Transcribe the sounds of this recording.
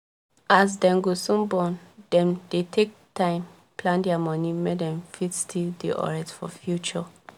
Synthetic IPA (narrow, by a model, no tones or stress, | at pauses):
ʔas̬dɛ̃ŋɡosũmbɔ̃ndɛ̃mdetʰek̚tʰãɪ̃m | plãndɛamɔnimedɛ̃ɱfitstʰildiʔɔ̰ɹɛtfɔfjut͡ʃɔ